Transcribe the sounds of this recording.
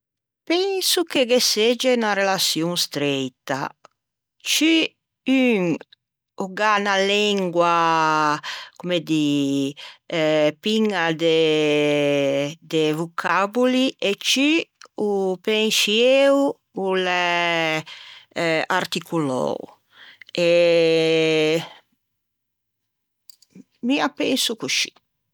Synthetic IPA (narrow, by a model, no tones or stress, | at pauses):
pɛŋsukeɡesed͡ʒenarelasjuŋst̪ɾɛjt̪a̰ | t͡ʃy | yŋ | uɡanalɛŋɡwa | kumed̪i | piŋad̪e | d̪evukʰabuliʔet͡ʃiupɛŋsiew | ulɛ | aɾt̪ikulɔ̰w | e | miapɛnsukut͡ʃi̥